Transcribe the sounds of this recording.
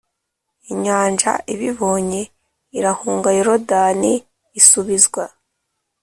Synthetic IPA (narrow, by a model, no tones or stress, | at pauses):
iɲaːnʒa̰ʔiβiβo̞ːɲe̞ | iɾahuːŋɡajiɾodaniː | suβizɡwa